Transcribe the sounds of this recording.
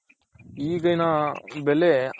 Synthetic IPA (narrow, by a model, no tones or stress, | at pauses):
iːɡɐjnɐbele